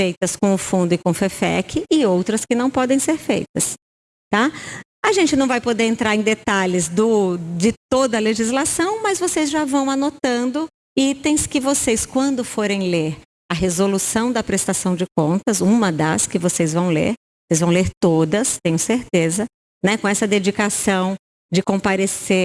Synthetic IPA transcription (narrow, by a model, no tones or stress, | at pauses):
fejt̪ɐskõʊfũnd̪ʊɪkõfefɛ̰kɪʔɪowt̪ɾɐskɪnɐ̃w̃pɔd̪ẽj̃seɾfḛjt̪ɐs | t̪a | ɐʒẽnt͡ʃɪnɐ̃w̃vajpod̪eɾẽnt̪ɾaɾẽj̃d̪et̪alɪzd̪ʊd͡ʒɪt̪od̪ɐleʒizlasɐ̃w̃mɐzvosezʒavɐ̃w̃anot̪ɐ̃nd̪ʊ | it̪ẽj̃skɪvoseskwɐ̃nd̪ʊfoɾẽj̃leɾ | ɐɦezolusɐ̃w̃d̪ɐpɾest̪asɐ̃w̃d͡ʒɪk̚õnt̪ɐzũmɐd̪ɐ̰skɪvosezvɐ̃w̃lḛɾ | osejzvɐ̃w̃leɾt̪od̪ɐst̪ẽɲ̃ʊseɾt̪ezɐ | nɛkõɛsɐd̪ed͡ʒikasɐ̃w̃ | d͡ʒɪkõpaɾese